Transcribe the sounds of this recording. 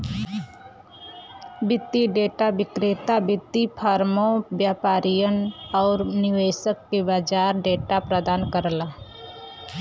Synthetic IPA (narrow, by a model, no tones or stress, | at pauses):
bɪt̪ːiɖeːʈabɪkɾet̪abɪt̪ːipʰaːɾmõbjaːpaːɾijənɔːɾnɪʋeːʃəkːebad͡ʒaːɾɖeːʈapɾəd̪aːnkəɾla